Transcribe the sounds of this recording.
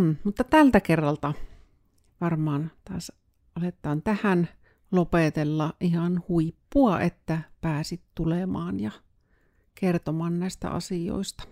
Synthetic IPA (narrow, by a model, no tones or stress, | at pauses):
mut̪ːɑt̪ælt̪ækerːɑlt̪ɑ | ʋɑrmɑːnt̪ɑːs | ʔɑlet̪ːˑɑːnt̪æhæn | lopet̪elːɑʔʔihɑnhuipːuɑʔet̪ːæpæːsit̪t̪ulemɑːnjɑ | kert̪omɑːnnæˑist̪æ̰ʔɑ̰sio̰ist̪ɑ̥